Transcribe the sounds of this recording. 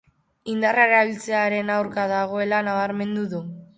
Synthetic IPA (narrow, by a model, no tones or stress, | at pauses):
ind̪araɾaβilt͡se̞aɾe̞nawɾkaðaɣ̞o̞e̞lanaβaɾme̞nd̪uðu